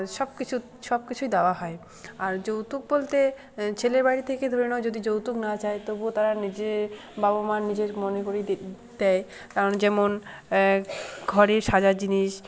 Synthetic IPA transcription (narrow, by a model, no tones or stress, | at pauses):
ʃɔbkit͡ɕʰu | ʃɔb̚kit͡ɕʰujd̪ɛoaɦɔe | aɾd͡ʑowt̪uk̚bolt̪e | t͡ɕʰeleɾbajɾit̪ʰeked̪ʱoɾenɛod͡ʑod̪id͡ʑowt̪uknat͡ɕaet̪obot̪aɾanid͡ʑe | babomanːid͡ʑeɾmonekoɾi | d̪̥ɛj | kaɾond͡ʑɛmon | ɡʱɔɾeɾʃad͡ʑad͡ʑiniʃ